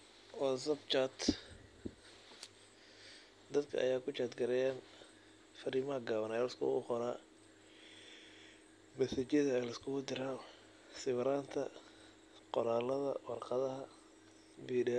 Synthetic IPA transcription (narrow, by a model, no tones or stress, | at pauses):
ʔɔsɐbt͡ʃat̪ | d̪ɐd̪kʰɐ̰ʔɐ̰jaːkʰʊt͡ʃaːd̪ɡɐɾɛjaːn | fɐɾiːmɐɦɐɡaːβɐnaɛlɐskʰʊ̰ʊqɔɾaː | mɐsɛt͡ʃjɐðɐɛːlɐskʰʊɣʊd̪ɪɾaː | sɪβɾaːnt̪ʰɐ | qɔɾaːlɐðɐ̰wɑrqɑðɐɦɐ | biːɖɛ